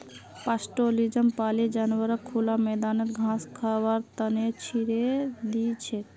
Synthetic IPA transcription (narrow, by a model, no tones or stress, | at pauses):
pasʈolid͡ʒəmpaled͡ʒanwəɾəkʰːulamɛd̪anət̪ɡʱãskʰabaɾt̪ənet͡ʃʰiɾed̪it͡ʃʰɛt̪